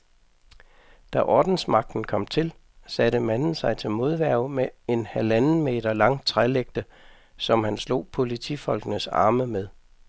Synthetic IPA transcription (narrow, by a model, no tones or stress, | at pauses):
d̥æʔɒːd̥n̩smɑ̈ɡ̥̚d̥n̩kʰɒ̽m̰t͡sʰe̝l | sæɾ̥əmænn̩sɑ̈ɪt͡sʰe̝lmo̝ðˠʋæɐ̰ʊmee̝nhælæn̩me̝̰ːd̥ɐlɑ̈ŋ̰t͡sʰʁaleɡ̥̚d̥ə | sɒ̽mhænslo̝̰ːpʰo̝lit͡sʰḭfɒ̽lɡ̥ənəsɑ̰̈ːməmeð̞ˠ